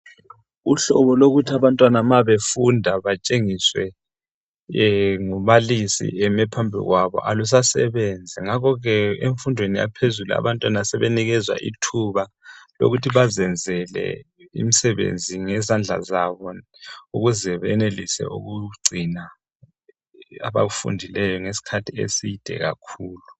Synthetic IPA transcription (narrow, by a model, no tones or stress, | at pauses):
uɬɔβɔloɣutʰiaβantʼwanamaβefundʱaβat͡ʃʼeŋiswɛ | ŋuβalisḭɛmɛpʰambʱḭɣwaβɔ̰ʔalus̬asɛ̰βɛnd͡zʱɛŋakɔɣɛeɱfundʱwenija̰pʰezulua̰βantʼwanasɛβeniɣɛzwa̰ʔitʰuβa | lo̰ɣutʰiβazɛnd͡zʱɛlɛ̰ | ḭmisɛβḛnd͡zʱiŋɛzand͡ɮʱa̰zaβɔ | uɣuzɛβɛnelisɛ̰ʔṵɣuɡ͡ǀʱina | a̰βaɣufṵndʱilɛjɔŋesi̥kʰatʰiḛsid̥ʱɛ̰ɣa̰kʰuːlu